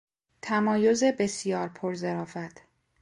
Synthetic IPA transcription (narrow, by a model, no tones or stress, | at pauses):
t̪ʰæmɒːjo̞ze̞be̞sijɒːɾpʰoɾze̞ɾɒːfæt̪ʰ